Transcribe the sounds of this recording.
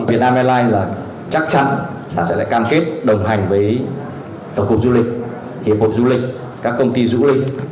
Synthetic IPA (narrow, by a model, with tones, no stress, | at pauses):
ŋvi˨˩naː˧mʔɛ˧laː˧jlaː˨˩ | t͡ɕa˦˥k̚t͡ɕa̰˧˥n | ɗa̰ː˧˥sɛ̰˧˥la̰ː˧˨kaː˧mke˦˥t̚ɗə˨˩wŋ͡mɦa˨˩jŋ̟vəː˨˦j | t̪ə˧˩wŋ͡mkwk̚zu˧lï˨˩k̟̚ | hi˨˩əp̚ho̰˧˨jzu˧lï˨˩k̟̚ | kaː˦˥kːə˧wŋ͡mt̪i˧zṵ˧˥lï˧ŋ̟